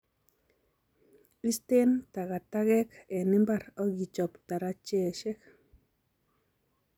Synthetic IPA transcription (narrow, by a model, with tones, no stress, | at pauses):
i˦ste˦nta˨ɣa˨ta˦ɣɛ˦kɛ˨nɪ˦mba˦˨ɾɔ˦ɡi˨t͡ʃɔ˨pta˨ɾa˦t͡ʃe˦˨ʃe˦k